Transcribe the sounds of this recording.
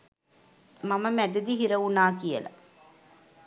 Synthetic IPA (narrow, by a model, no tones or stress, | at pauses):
maməmæd̪ɐd̪iɦiɾɐunaːkijəlɐ̰